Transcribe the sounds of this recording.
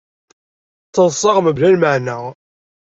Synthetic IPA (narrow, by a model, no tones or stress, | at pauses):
t͡sːənsˤɑʁməblælməʕnæ